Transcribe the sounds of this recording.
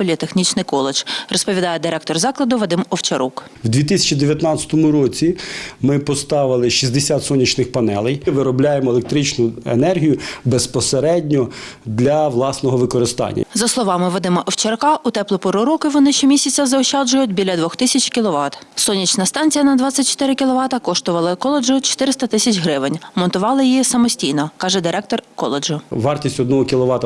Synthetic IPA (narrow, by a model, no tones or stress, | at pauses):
pɔlʲit̪exnʲit͡ʃnɪjkɔlˠet͡ʃrɔspɔʋʲid̪ɑjɛd̪ɪɾɛk̚t̪ɔrzɑklˠɐd̪ʊʋɔd̪ɪmɔwt͡ʃɐɾuk | wd̪ʋʲit̪ɪsʲɐ̥t͡ʃid̪eʋʲjɐt̪nɑt͡sʲɐ̥t̪ɔmʊɾɔt͡sʲimɪpɔst̪ɑʋɪlˠɪʃizʲd̪esʲat̪sɔnʲːit͡ʃnɪxpɐnɛ̰lˠɛjʋɪɾɔblʲajemɔelek̚t̪ɾit͡ʃnʊḛnɛrɦʲijʊbespɔseɾɛdʲnʲɔ | d̪lʲɐʋlˠɑsnɔɦɔʋɪkɔɾɪst̪ɑ̰nʲːɐ̰zɐslˠɔʋɑmɪʋɔd̪ɪmɐʔɔwt͡ʃerkɑut̪ɛplˠɔpɔɾʊɾɔkɪʋɔnɪʃt͡ʃɔmʲisʲɐt͡sʲɐzɐɔʃt͡ʃɑd͡ʒʊjʊtʲbʲilʲɐd̪ʋɔxt̪ɪsʲɐt͡ʃʲkʲilˠɔʋɑt̪ | sɔnʲːit͡ʃnɐst̪ɑnʲt͡sʲijɐnɐd̪ʋɑt͡sʲːɐt̚ʲt͡ʃːɔ̥t̪ɪɾɪkʲilˠɔʋɑt̪ɐkɔʃt̪ɔʋɐlˠɐkɔlˠed͡ʒʊt͡ʃɔ̥t̪ɪɾɪst̪ɐt̪ɪsʲɐt͡ʃʲɦɾɪʋɪnʲmɔnt̪ʊʋɑlˠɪjjisɐmɔsʲtʲijnɔkɑʒɛd̪ɪɾɛk̚t̪ɔrkɔ̰lˠed͡ʒʊʋɑrtʲisʲtʲɔd̪nɔɦɔkʲilˠɔʋɑt̪ɐ